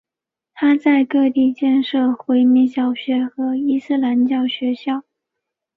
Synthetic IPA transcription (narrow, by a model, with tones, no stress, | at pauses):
t̪ʰa˥t͡sa˥˧ɪkɤ˥˧t̪i˥˧t͡ɕjɛ˥˧nʂɤ˥˩xwe˧˥ɪmi˥˧t͡ɕjɑ˥˩ʊɕɥɛ˧˥xɤ˧˥i˥sɹ̩˥˩la˧˥nt͡ɕjɑ˥˩ʊɕɥɛ˧˥ɕjɑ˥˩ʊ